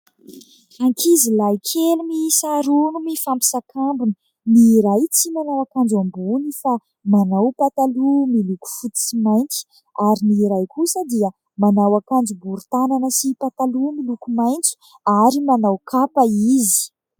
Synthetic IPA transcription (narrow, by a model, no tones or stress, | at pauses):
aŋkʰizilajkʰelumisaɾunumifampi̥sakambunə | niɾajt͡simanawakand͡ʒambunifa | manawpat̪alumiluku̥fut̪u̥t͡simajnt͡si̥ | aɾiniɾajkusəd̪iə | manawakand͡zubuɾut̪ananəsipat̪alumilukumajnt͡su̥ | aɾimanawkʰapaizi̥